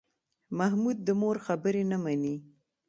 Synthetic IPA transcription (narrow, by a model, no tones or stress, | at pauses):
mahmud̪̚ːəmoɾxabəɾenamani